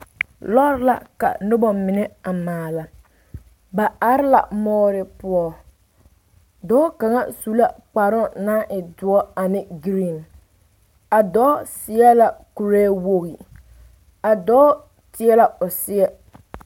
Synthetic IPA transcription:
lɔ˦ɾɪ˦la̰˨ka̰˨nʊ˦bɔ˨mɪ˨nɛ˦a˨maː˨la˨ | ba˨a˨ɾɪ˦la̰˨mɔː˦ɾɪ˦pʊ˦ɔ˦ | dɔː˦ka˨ŋa˦su˨˦la˦k͡pa˨ɾʊ˦na˦ʔɪ˨dʊ˨ɔ˦a˨nɪ˦ɡɾi˨n | a˨dɔː˦sɪ˨ɛ˦la˨ku˨ɾeː˦wo˦ɣi˨ | a˨dɔː˦ | tɪ˨˦ɛ˦la˨ʊ˨sɪ˦ɛ˦

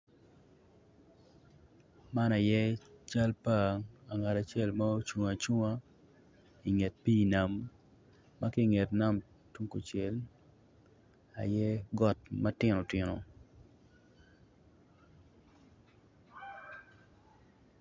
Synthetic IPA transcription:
ma˦na˨jɛ˦t͡ʃa˦lpa˦ŋa˨ŋa˨ta˨t͡ʃjɛ˦˨lma˦o˦t͡ʃu˨ŋa˨t͡ʃu˦ŋa˦ | i˨ŋe˨t̚pi˦na˨mː | a˦kɪ˦ŋe˨tna˦m | tu˦ŋko˨t͡ʃɛ˨l | a̰˨jɛ˦ɡɔ˨t̚ma˦tɪ˦no˨tɪ˨no̰˨

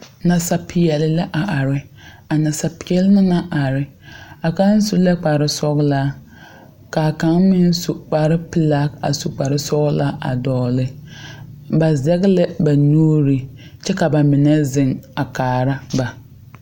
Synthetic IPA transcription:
na˨sa˨pʰɪ˨jɛ˨lɪ˨la˦ʔa˨ʔa˨ɾɪ˦ | a˨na˨sa˨pʰɪ˨˦ɛ˦lɪ˦nɪ˦na˦ʔa˨ɾɪ˦ | a˨ka˦n˦su˦lɛ˦k͡paː˨ɾɪ˦sɔ˦ɣla˦ | ka˨ka˦ŋmɪ˦n˦su˨k͡pa˨ɾɪ˦pɪ˦la˦ka̰˨su˨k͡pa˨ɾɪ˦sɔ˦ɣla˦a̰˨dɔː˨lɪ˦ | ba˨zɛ˦ɣlɛ˦ba˨nuː˦ɾi˨ | t͡ʃɛ˦ka˨ba˨mɪ˨nɛ˦zɪ˨ŋa˨kaː˨ɾa˦ba˨

